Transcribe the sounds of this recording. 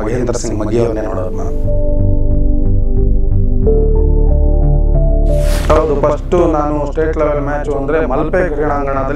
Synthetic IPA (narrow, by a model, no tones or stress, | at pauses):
ɐɡeːnd̪ɐɾɐsiŋɡmɐɡ̪jɐʋɐɾneno̰ːɽo̰ːd̪na̰ːnu | ɐʋɐd̪upɐsʈunaːnusʈeːʈleʋelmaːt͡ʃuɐnd̪ɐɾe̞mɐlpekɾiɳaːŋɡɐɳɐd̪ɐ